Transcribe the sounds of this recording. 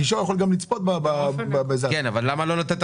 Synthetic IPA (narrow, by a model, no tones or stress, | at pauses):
iʃ̬ojaχolɡamlit͡spot̪̚babababezakenavalːamalo̞not̪ent